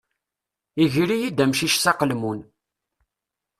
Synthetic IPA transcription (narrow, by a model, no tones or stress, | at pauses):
iʝɾijid̪æmʃiʃsɑqəlmun